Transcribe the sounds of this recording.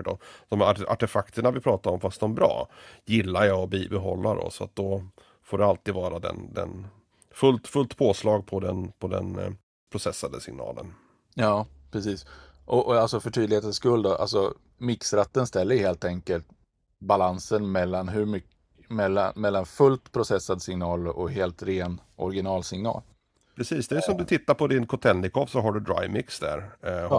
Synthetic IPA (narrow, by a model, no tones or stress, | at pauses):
əʈɔ̰d̪̥ɔmaa̰ʈɛfakt̪ʰəɳavɪpʰɾɑːt̪aɾɔmfast̪̚d̪ɔmbɾɑ̰ːjɪlːajaɔbibɛɦɔlːadɔ̰sɔa̰t̪̚d̪ɔ | foːɖɛalt̪iːd̪vɑːɾad̪ɛ̰nd̪ɛ̰n | fɵlt̪fɵlt̪pʰoːslɑːɡ̚pʰɔd̪ɛnpʰɔd̪ɛ̰n | pʰɾʊsɛsːad̪əsɪŋnɑ̰ːlə̰n | jɑː | pʰɾɛsiːs | ʔɔʔɔalsɔfœʈʰyːd̪lɪheːt̪əskɵld̪ɔʔa̰lsɔ | mɪksɾat̪ːənst̪ɛlːəjɵheːlt̪ɛŋkəlt̪ | balansənmɛlːanɦɵmʏ | mɛlːa̰mɛlːanfɵlt̪pʰɾʊsɛsːad̪sɪŋnɑːlɔɦeːlt̪ɾeːnɔ̰ɾɡɪnɑːlsɪŋnɑ̰ːl | pɾɛsiːsd̪ɛsɔmd̪ɵt̪ʰɪt̪ːaɾpʰɔd̪ɪnkʰʊt̪ʰɛnːɪkʰɔvsɔɦaɖɵd̪ɾa̰jmɪksd̪æ̰ɾ